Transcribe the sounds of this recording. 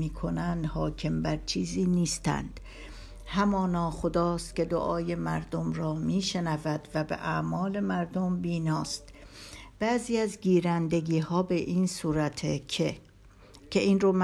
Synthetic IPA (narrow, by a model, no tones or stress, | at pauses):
iːkʰo̞nænd̪hɒːcʰe̞mbæɾt͡ʃʰiːziːniːst̪æ̰nd̪̥ | hæmɒːnɒːxo̞d̪ɒːst̪cʲe̞d̪o̰ʔɒːje̞mæɾd̪o̞mɾɒːmiːʃe̞nævæd̪̥væbḛʔæʔmɒːle̞mæɾd̪o̞mbiːnɒːst̪b̥æziːæzɡiːɾænd̪e̞ɡiːhɒːbe̞ʔiːnsuːɾæt̪ʰee | kʰeʔiːnroːm